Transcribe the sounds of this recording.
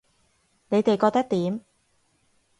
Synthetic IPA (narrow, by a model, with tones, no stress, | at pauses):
ne˨˧jt̪e˨jkɔː˧k̚t̪ɐ˥k̚t̪iː˨˥m